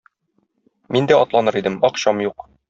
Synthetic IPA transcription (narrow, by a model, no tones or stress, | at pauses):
mind̪æʔɒt̪lˠɑnɤɾid̪ɘmɒqɕɑmjuq